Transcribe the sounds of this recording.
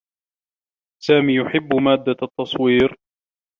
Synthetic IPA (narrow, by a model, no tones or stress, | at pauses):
saːmiːjʊħɪbːʊmaːd̪ːat̪ːɑsˤwiːɾ